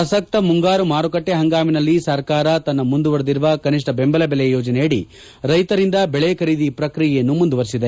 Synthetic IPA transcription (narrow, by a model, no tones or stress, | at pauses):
ɐsɐk̚t̪ɐmuŋɡaːɾumaːɾukɐʈːeɦɐŋɡaːminɐlːisɐɾkaːɾɐt̪ɐnːɐmund̪uʋɐɾd̪iɾuʋɐkɐniʂʈɐbembɐlɐbelejjoːd͡ʒɐneɐɽi | ɾɐjt̪ɐɾind̪ɐbɛɭejɐkʰɐɾiːd̪ipɾɐkɾijɛjɐnːumund̪uʋɐɾsid̪e